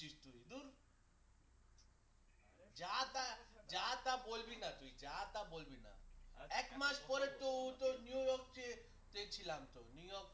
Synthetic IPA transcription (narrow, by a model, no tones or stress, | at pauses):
ist̪uid̪uɾ | d͡ʒat̪ad͡ʒaːt̪abolbinat̪uid͡ʒaːt̪abolbina̰ɛkmaspɔɾet̪out̪onjuːjɔk̚t͡ʃe | t̪et͡ʃʰilamt̪onujɔk